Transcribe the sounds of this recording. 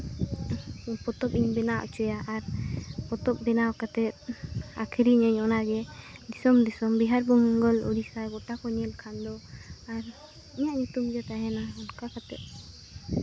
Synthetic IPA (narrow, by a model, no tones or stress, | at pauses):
pɔt̪ɔp̚iɲbɛnaʔɔ̰t͡ʃɔjaʔaɾpɔt̪ɔp̚bɛnawkat̪ɛt̪̚a̰kʰiɾiɲəɲɔnaɡɛd̪isɔmd̪isɔmbiɦaɾbɔŋɡɔlɔ̰ɾisajɡɔʈakɔɲɛlkʰand̪ɔaɾ | iɲaʔɲut̪umd͡ʒɔt̪aɦɛnaɔnkakat̪ɛ̰t̪̚